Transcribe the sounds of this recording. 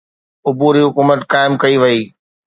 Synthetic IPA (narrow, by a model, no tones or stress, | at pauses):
ʊbuːɾiɦʊkuːmət̪kaːɪmkɐiʋɐiː